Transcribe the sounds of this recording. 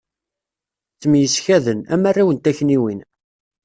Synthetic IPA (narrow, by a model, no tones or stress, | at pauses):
t͡sːəmjəsçæðənæ̰marːawənt̪æçniwin